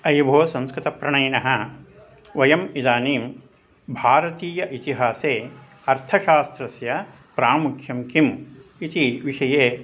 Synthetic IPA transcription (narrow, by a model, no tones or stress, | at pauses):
ɐjbʱoːɐsɐ̃mskɾɪt̪ɐpɾɐɳɐjnɐɦɐ̆ | ʋɐjɐmid̪aːniːm | bʱaːɾɐt̪iːjɐʔit̪iɦaːseː | ɐɾt̪ʰɐʃaːst̪ɾɐsjɐ | pɾaːmukʰjɐmkimit̪iʋiʂɐjeː